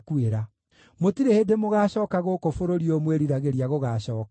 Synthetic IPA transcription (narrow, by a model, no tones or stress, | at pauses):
kueɾa | motiɾehedemoɣaːɕɔːkaɣokofoɾoɾiomweɾiɾaɣeɾiaɣoɣaːɕɔːka